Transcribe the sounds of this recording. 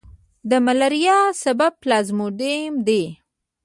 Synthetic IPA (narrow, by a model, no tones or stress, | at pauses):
d̪əmalaɾijɑsabab̚plɑzmoɖemd̪e